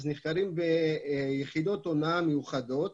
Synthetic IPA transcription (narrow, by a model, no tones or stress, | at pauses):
zniχkaɾimbejeχid̪o̞t̪onaamejuχad̪o̞t̪